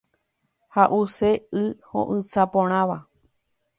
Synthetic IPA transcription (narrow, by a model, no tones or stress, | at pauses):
haʔuseɨhõ̰ʔɨ̃sapõɾ̃ãʋa